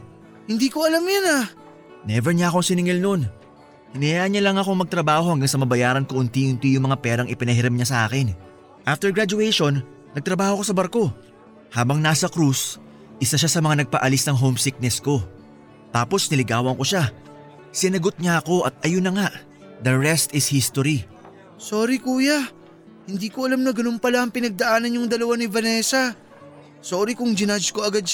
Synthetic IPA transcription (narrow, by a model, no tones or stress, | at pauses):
hɪnd̪iːkoɐlamjana | nɛvɛɹɲaʔɐko̞ŋsɪnɪŋɪlno̞n | hɪnɪjaʔɐɲɐlɐŋɐko̞ŋmɐɡ̚t̪ɾɐbaːho̞hɐŋɡaŋsɐmɐbɐjaːɾɐnkoʔʊnt̪iʔʊnt̪ijʊŋmɐŋapɛːɾɐŋʔɪpɪnɐɦɪɾɐmɲasɐʔaːkɛn | ʔaft̪ɛɹɡɹad͡ʒʊɛjʃo̞nː | ɐɡ̚t̪ɾɐbaːho̞ko̞sɐbɐɾko̞ | haːbɐŋnaːsɐkɾus | ʔɪsaʃasɐmɐŋanɐɡ̚pɐ̰ʔɐlisnɐŋɦo̞wmsik̚nɛsko̞ | t̪aːpo̞snɪlɪɡaːwɐŋko̞ʃa | sɪnɐɡo̞t̪̚ɲaɐko̞ʔɐt̪̚ʔɐjonːɐŋaʔ | d̪ɐɹɛst̪ɪshist̪oɾi | so̞ːɾikuːja | hɪnd̪iːkoʔɐlamnɐɡɐnonpɐlaʔɐŋpɪnɐɡ̚d̪ɐʔaːnɐnɲʊŋd̪ɐlɐwanivɐnɛsɐ | soːɾikʊŋd͡ʒɪnad͡ʒkoɐɡad̪̚